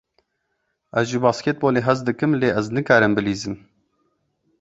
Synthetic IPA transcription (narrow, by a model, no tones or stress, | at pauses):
ʔɛzʒɨbɑːsket̪̚boːleːɦɛzd̪ɨkɨmleːʔɛznɨkɑːɾɨmbɨliːzɨm